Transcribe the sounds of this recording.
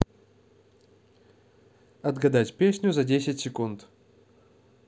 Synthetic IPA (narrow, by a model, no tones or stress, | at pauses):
ɐd̪ɡɐd̪atʲpʲesʲnʲʊzɐdʲesʲɪtʲsʲɪkunt̪